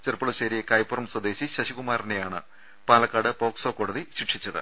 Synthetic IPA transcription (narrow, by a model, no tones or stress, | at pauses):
t͡ɕerpːuɭɐɕeːɾiekɐjpːorɐmswɐd̪e̞ːɕiɕɐɕikumaːɾinejaːɳɨ | paːlɐkːaːɽɨpo̞ːksoːkːo̞ːɽɐðiɕiʈʂit͡ɕːɐðɨ̰